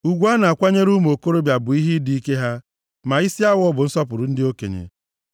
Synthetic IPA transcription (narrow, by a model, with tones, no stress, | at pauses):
u˨ɡʷu˦a˦na˨a˨kʷa˦ɲe˦ɾu˦m˨o˨ko˦ɾo˦bja˨bʊ˨i˦ɦi˦di˦i˦ke˦ɦa˦ | ma˨i˦si˦a˦wɔ˦bʊ˨n̩˦sɔ˦pʊ˨ɾʊ˨n̩˦dɪ˦o˦kḛ˨ɲḛ˨